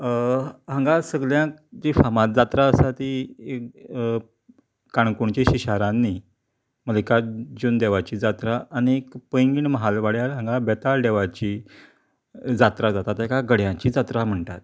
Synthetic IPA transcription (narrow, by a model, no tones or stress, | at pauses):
ɦãŋɡasəɡljãkd͡ʑifamãt̪̚d͡zat̪ɾaəsat̪iek | kaɳkuɳt͡ɕeɕiɕaɾãnːi | məlikad͡ʑund̪eʋat͡ɕiːd͡zat̪ɾaːniekpəjŋɡiːɳməɦalʋaɽjaɾɦãŋɡabɛt̪alɖeʋat͡ɕi | d͡zat̪ɾad͡zat̪at̪ekaɡəɽjãt͡ɕiːd͡zat̪ɾam̤əɳʈ̪at̪